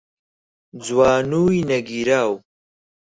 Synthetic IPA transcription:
d͡zwaːnujinɐɡiɾaːw

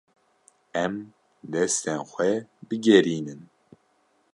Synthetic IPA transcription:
ɛm | d̪ɛst̪ɛnxʷɛbɨɡɛɾiːnɨn

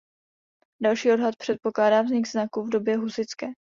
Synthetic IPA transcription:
dalʃiːo̞dɦat̪̚pr̝̥ɛt̪̚po̞klaːdaːvzɲɪɡznakuvdo̞bjɛɦusɪt͡skɛː

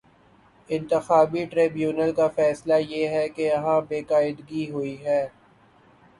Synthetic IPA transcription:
ɪ̃nt̪ɪxaːbiʈɾeːbjuːnəlkafɛːslajeːɦɛkeɐɦãbeːkaːɪd̪ɡiɦoiɦɛː

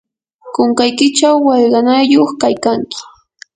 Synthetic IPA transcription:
koŋkajkɪt͡ʃawːɑʎɢɑnajoχkajkaŋkɪ̥

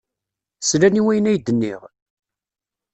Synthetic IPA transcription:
slæniwæjənæjd̪ənːɪ̰ʁ

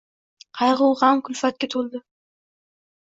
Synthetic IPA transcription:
qʰɑjʁʊwˠʁɑmkʰʊlfat̪̚kʲat̪ʰolˠd̪ɪ

